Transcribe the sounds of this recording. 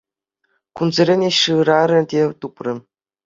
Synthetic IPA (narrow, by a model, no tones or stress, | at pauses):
kunzɘ̆ɾʲenʲeɕɯɾɑɾʲɘ̆dʲet̪uprɘ̆